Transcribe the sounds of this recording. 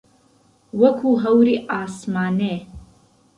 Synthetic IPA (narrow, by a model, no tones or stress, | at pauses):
wɐkʰuɦɐwɾiʔaːsmaːneː